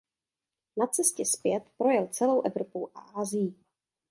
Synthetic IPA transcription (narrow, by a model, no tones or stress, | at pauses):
nat͡sɛscɛspjɛt̪pɾo̞jɛlt͡sɛlo̞wʔɛvɾopowʔa̰ʔaːzɪji